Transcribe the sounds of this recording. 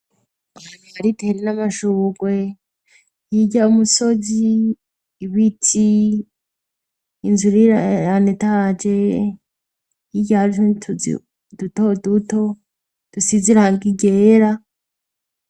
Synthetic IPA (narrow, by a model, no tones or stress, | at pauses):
aaaɾitʰeɾenamaʃuːɡwe | jiɟaumuso̞ziː | βitʰi | nzuɾiaanetad͡ʒe | iɟahaɾitʰṵ | dutoduto̞ | d̥usiziɾahaŋɡiɡeːɾa